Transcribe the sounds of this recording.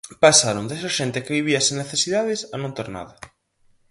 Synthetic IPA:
pasaɾond̪esaʃent̪ɪkɪβiβiɐsẽŋneθesiðað̞ɪsanõnt̪eɾna̰ðɐ

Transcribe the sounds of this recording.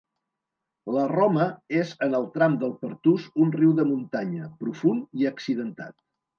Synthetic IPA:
lərɔməezənəlˠt̪ɾamd̪əlˠpəɾt̪uzunriwðəmunt̪aɲəpɾufuniəksiðənt̪a̰t̪̚

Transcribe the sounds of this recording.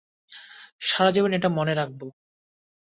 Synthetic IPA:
ʃaɾad͡ʑeboneʈamoneɾak̚bo

